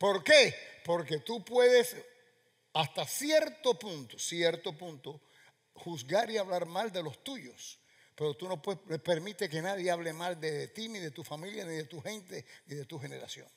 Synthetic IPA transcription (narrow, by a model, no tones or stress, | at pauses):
po̞ɾkepo̞ɾke̞t̪upwe̞ðe̞s | ast̪asjeɾt̪o̞pũnt̪o̥sjeɾt̪o̞pũnt̪o | huzɣaɾiaβlaɾmald̪e̞lo̞st̪uʝo̞s | pe̞ɾo̞t̪uno̞pwepe̞ɾmit̪eke̞naðjeaβ̞le̞mald̪eðt̪iniðe̞t̪ufamiljaniðe̞t̪uhe̞nt̪e̞niðe̞t̪uɦe̞ne̞ɾa̰sjo̰ŋ